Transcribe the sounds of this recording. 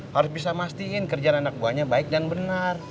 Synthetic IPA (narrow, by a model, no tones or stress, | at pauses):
haɾʊs̬bisamast̪iɪnkərd͡ʒaːnanak̚buahɲabaɪk̚danbənar